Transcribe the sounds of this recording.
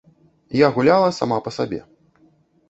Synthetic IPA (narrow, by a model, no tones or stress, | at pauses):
jaɣulʲalˠɐsa̰mapɐsabʲɛ̰